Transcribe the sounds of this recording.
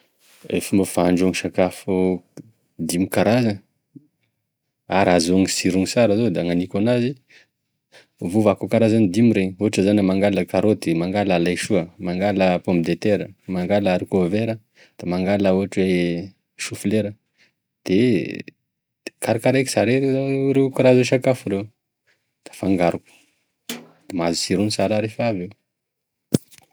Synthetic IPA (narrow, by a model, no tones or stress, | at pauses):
ḛfimbafaɳɖ͡ʐoŋʃakafu | d̪imikaɾazə | aɾazoŋisiɾuŋisaɾazod̪aŋanikanazi | vuvakokaɾazanid̪imiɾeɲuʈ͡ʂəzanamaŋɡaləkaɾod̪emaŋɡalalajʃuəmaŋɡaləpombid̪et̪eɾəmaŋɡalaɾikoveɾə | d̪̥amaŋɡalauʈ͡ʂe | ʃufleɾə | d̪̥e | kaɾakaɾeki̥saɾeɾeɾekuɾazeʃakafuɾew | d̪̥ḁfaŋɡaɾuku̥ | d̪̥emazi̥siɾunisaɾaɾefave